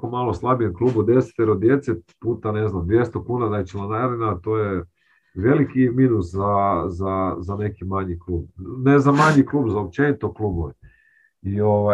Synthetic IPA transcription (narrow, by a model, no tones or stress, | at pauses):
komalˠoslˠabijenklˠuːbod̪e̞se̥t̪eɾod̪je̞t̪set̪puːt̪ane̞znamd̪ʋje̞st̪okuːnanat͡ʃilanajaɾlʲenat̪oːje | ʋe̞likiminuszazazane̞kimaɲiklˠuːb̚nezamaɲiklˠuːbzaop̚t͡ʃenit̪oklˠuːboʋi | ioʋa